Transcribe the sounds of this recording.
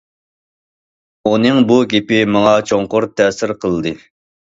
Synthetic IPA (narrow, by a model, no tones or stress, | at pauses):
onɨŋbuɡʲepɪmɑŋɑt͡ʃʰoŋqʊɾt̪ʰːɛsɪɾqʰəlˠd̪ɨ